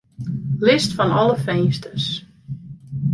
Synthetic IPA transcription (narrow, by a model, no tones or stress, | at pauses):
lɪstfɔnɔlˠəfɛjnstəs